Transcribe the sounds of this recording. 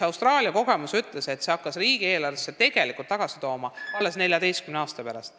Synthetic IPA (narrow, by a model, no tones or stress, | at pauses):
ɑwst̪rɑːliɑko̞ɡ̥e̞musyt̪ːˑlese̞t̪se̞ɑkːɑsriːɡ̥ie̞ːlɑrvesːet̪e̞ɡ̥e̞likˑult̪ːɑɡ̥ɑsi̥t̪o̞ːmɑvɑlːesne̞lʲjɑd̪e̞jst̪kymneɑːst̪ɑpæɾɑ̰st̪